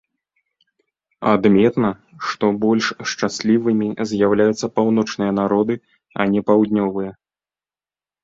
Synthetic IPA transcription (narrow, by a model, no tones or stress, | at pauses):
ad̪mʲɛt̪nɐ | ʂt̪ɔbɔlʲʂʂt͡ʂasʲlʲivɨmʲizʲjawlʲajut̪sɐpawn̪ɔt͡ʂnɨjɐn̪aɾɔd̪ɨ | ɐ̰nʲɛpawd̪ʲnʲɔvɨjɐ